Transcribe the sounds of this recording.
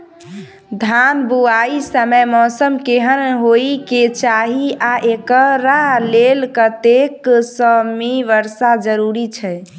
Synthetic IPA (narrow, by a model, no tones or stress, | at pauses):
d̪ʱanbuaisəməjmɔsəmkeɦənɦoiket͡ʃaɦiaʔekəɾalelkət̪eksəmeʋəɾsad͡ʒəɾuɾit͡ʃʰɛ